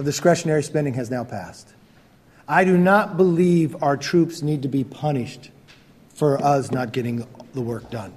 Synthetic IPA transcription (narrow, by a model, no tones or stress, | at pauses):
ʌvðɨskɹ̥ɛʃɨnɛɹispɛ̃ndɪ̃ŋɨznaʊpʰæ̰st | aɪɾɨnət̚b̥əlivaʊə˞tʰɹ̥ʉpsnid̚tɨbipʰʌñɪʃt | fə˞ʔʌsnət̚ɡ̥ɛɾɪ̃ŋðəwɜ˞k̚d̥ʌ̃n